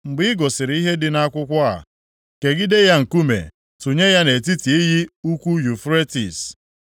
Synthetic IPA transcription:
ŋ͡m̩˨ɡ͡bɪ˦ɡɔ˨sɪ˨ɾi˦ɦe˦dɪ˦na˦kʷʊ˦kʷɔ˦a̰˨ | ke˨ɡɪ˦de˦ja˦ŋ̩˨ku˦mḛ˨ | tu˨ɲe˦ja˦ne˨ti˦ti˨i˦ɦi˦u˦kʷu˦ju˨fɾe˦tḭ˨s

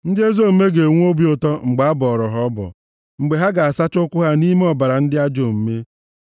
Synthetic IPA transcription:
n̩˦dɪ˦e˦zo˦˨m̩˦me˦ɡe˨ŋʷ˦o˦bi˦o˨tɔ˦ŋ͡m̩˨ɡ͡ba˨a˦bɔ˨ɔ˨ɾɔ˨ɦɔ˨˦ɔ˦bɔ̰˨ | ŋ͡m̩˨ɡ͡be˨ɦa˦ɡa˨a˨sa˦t͡ʃʊ˦kʷʊ˦ɦa˦ni˦me˦ɔ˨ba˨ɾa˨n̩˦dɪ˦a˦d͡ʒo˨m̩˨˦me˦

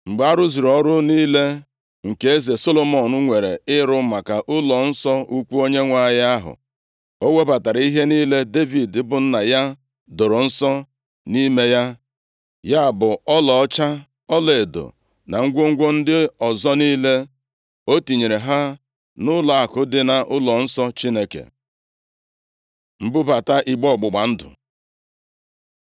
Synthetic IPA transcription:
ŋ͡m̩˨ɡ͡ba˦ɾʊ˦zi˨ɾɔ˦ɾʊ˦niː˦le˦ | ŋ̩˨ke˦e˦ze˨so˦lo˦mɔ˨nʊ˦ŋʷe˨ɾḛ˨ɪ˦ɾʊ˦ma˨ka˨ʔʊ˦lɔ˨n̩˦sɔ˦u˦kʷu˦o˦ɲe˦ŋʷa˦˨ja˦ɦʊ̰˨ | o˦we˦ba˨ta˨ɾa˨i˦ɦe˦niː˦le˦de˦vi˨dɪ˦bʊ˨n̩˦na˨ja˦ | do˨ɾo˨n̩˦sɔ˦ | ni˦me˦ja˦ | ja˦˨bʊ˨ɔ˦lɔ˨ɔ˦t͡ʃa˦ | ɔ˦le˨do̰˨ | na˨ŋ̩˦ɡʷo˦ŋ̩˦ɡʷo˦n̩˦dɪ˦ɔ˨zɔ˦niː˦le˦ | o˦ti˨ɲe˨ɾe˨ɦa˦ | nʊ˦la˨a˨kʊ˨dɪ˦na˨ʔʊ˦lɔ˨n̩˦sɔ˦t͡ʃi˦ne˦kḛ˨ | m̩˦bʊ˦ba˨ta˦ʔi˨ɡ͡bɔ˦˨ɡ͡bʊ˨ɡ͡ba˨n̩˦dʊ̰˨

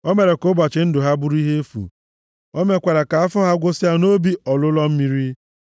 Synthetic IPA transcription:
ɔ˦me˨ɾe˨kʊ˦bʷa˨t͡ʃɪ˨n̩˦dʊ˨ɦa˦bu˦ɾi˦ɦe˦e˦fṵ˨ | ɔ˦me˦kʷa˨ɾa˨ka˨a˦fʊ˦ɦa˦ɡʷo˦si˦a˦no˦bi˦ɔ˨lʊ˦lɔ˦m̩˦mi˦ɾi˦

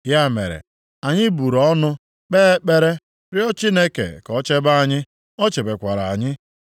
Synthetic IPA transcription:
ja˦˨mḛ˨ɾḛ˨ | a˨ɲɪ˦bu˨ɾɔ˨˦nʊ˦ | k͡peː˦k͡pe˦ɾe˦ | ɾɪ˦ɔ˦t͡ʃi˦ne˦kḛ˨kɔ˨˦t͡ʃe˦ba˦a˨ɲɪ˦ | ɔ˦t͡ʃe˨be˨kʷa˨ɾa˨a˨ɲɪ˦

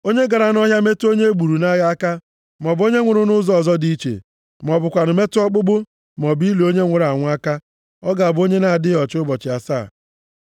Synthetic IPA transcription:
o˦ɲe˦ɡa˨ɾa˨nɔ˦ɦja˦me˦to˦ɲe˦ɡ͡bu˨ɾu˨na˦ɣa˦ka˦ | m˨ɔ˨bo˦ɲe˦ŋʷʊ˨ɾʊ˨nʊ˦zɔ˨zɔ˦dii˦t͡ʃḛ˨ | m˨ɔ˨bʊ˨kʷa˨nʊ˨me˦tɔ˦k͡pʊ˦ɡ͡bʊ˦ | m˨ɔ˨bi˦le˨o˦ɲe˦ŋʷe˨ɾa˨ŋʷʊ˦a˦ka˦ | ɔ˦ɡa˨a˨bo˦ɲe˦na˨a˨dɪ˦ɔ˨t͡ʃʊ˦bɔ˨t͡ʃɪ˨a˨sa̰ː˦˨

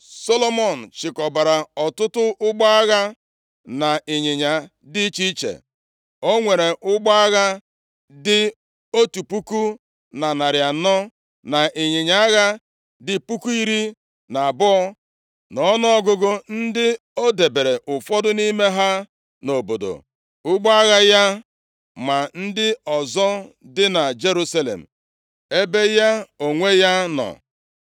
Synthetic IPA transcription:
so˦lo˦mɔ˦˨n̩˨t͡ʃɪ˨kɔ˨ba˨ɾa˨ɔ˨tʊ˦tʊ˦ʔʊ˦ɡ͡ba˦a˦ɣa˦ | na˨ɪ˨ɲɪ˨ɲa˨ | dɪ˦t͡ʃi˦t͡ʃḛ˨ | o˦ŋʷe˨ɾe˨ʔʊ˦ɡ͡ba˦a˦ɣa˦ | dɪ˦ | o˦tu˨pu˦ku˦ | na˨na˨ɾja˨nɔ˦ | na˨ʔɪ˨ɲɪ˨ɲa˦a˦ɣa˦ | dɪ˨pu˦ku˦i˦ɾi˦ | na˨a˨bʊ˦ɔ˦ | nɔ˨˦nɔ˦ɔ˦ɡʊ˦ɡʊ˦n̩˦dɪ˦ | o˦de˨be˨ɾe˨ʔʊ˨fɔ˦dʊ˦ni˦me˦ɦa˦ | no˨bo˨do̰˨ | ʊ˦ɡ͡ba˦ɣa˦ja˦ | ma˨n̩˦dɪ˦ɔ˨zɔ˦ | dɪ˦na˨d͡ʒe˦ɾu˦sa˦lḛ˨m̩˨ | e˦be˦ja˦o˨ŋʷe˦ja˦nɔ̰˨

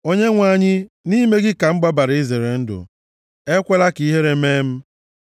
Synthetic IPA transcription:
o˦ɲe˦ŋʷa˦ɲɪ˦ | ni˦me˦ɡɪ˦ka˨m̩˦ɡ͡ba˦ba˨ɾɪ˦ze˨ɾe˨n̩˦dʊ̰˨ | e˦kʷe˦la˦ki˦ɦe˦ɾe˦meː˦m̩˦

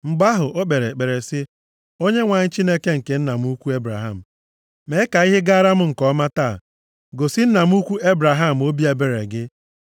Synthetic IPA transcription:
ŋ͡m̩˨ɡ͡ba˦ɦʊ˨ʔo˦k͡pe˨ɾe˨k͡pe˨ɾe˨sɪ˦ | o˦ɲe˦ŋʷa˨ɲɪ˦t͡ʃi˦ne˦ke˦ŋ̩˨ke˨n̩˦na˨m˦u˦kʷu˦e˦bɾa̰˨ɦa˦˨m̩˨ | me˨˦ɪ˦ka˨i˦ɦɪ˦ɡa˦a˦ɾa˦m̩˦ŋ̩˨kɔ˦ma˦ta˦˨ | ɡo˨sɪ˦n̩˦na˨m̩˦u˦kʷu˦e˦bɾa˨ɦa˦˨m̩˨o˦bi˦e˨be˦ɾḛ˨ɡɪ˦

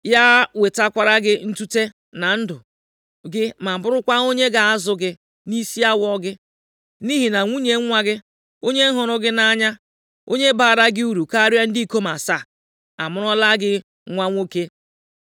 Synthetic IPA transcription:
ja˦we˨ta˦kʷa˨ɾa˦ɡɪ˦n̩˦tu˦te˦ | na˨n̩˦dʊ˨ | ɡɪ˦ma˨bʊ˦ɾʊ˦kʷa˦o˦ɲe˦ɡa˨a˦zʊ˨ɡɪ˦ | ni˦si˦a˦wɔ˦ɡɪ˦ | ni˦ɦi˨na˨ŋʷu˦ɲe˨˦ŋʷa˦ɡɪ˦ | o˦ɲe˦ɦʊ˨ɾʊ˦ɡɪ˦na˦ɲa˦ | o˦ɲe˦ba˨da˦ɡɪ˦u˦ɾu˨ka˦ɾa˦n̩˦di˦ko˦ma˨sa˦˨ | a˨mʊ˦ɾɔ˦la˦ɡɪ˦ | ŋʷa˦ŋʷo˦ke˦

